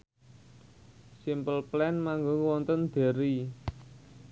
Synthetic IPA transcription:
simpəlplɛnmaŋɡoŋwɔnt̪ənd̪̥e̤ɾi

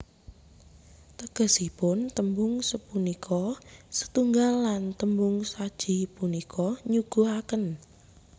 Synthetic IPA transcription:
t̪əɡ̥ə̤sipʊnt̪əmbʊŋsəpunikʰɔsə̥t̪uŋɡalːant̪əmbʊŋsad̥ʒ̥i̤punikʰɔɲuɡ̥uakən

